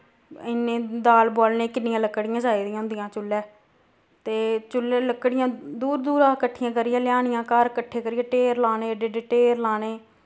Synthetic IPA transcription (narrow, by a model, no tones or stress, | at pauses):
ɪnːẽːd̪aːlboːlneːkɪnɪjãːləkːɽɪjãːd͡ʒaːiːd̪ɪjãɦʊ̃nd̪ɪjãːt͡ʃʊlːɛː | t̪eːt͡ʃʊlːeːləkːɽɪjãːd̪uːɾd̪uːɾãːkəʈʰːɪjãːkəɾɪjãːlɪjaːɽɪjãːkəɾkəʈʰːeːkəɾɪjãːʈeːɾlaːneːɖeːɖeːʈeːɾlaːneː